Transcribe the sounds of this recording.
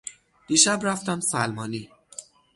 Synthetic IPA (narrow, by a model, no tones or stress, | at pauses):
d̪̥iʃæbɾæft̪æmsælmɒːni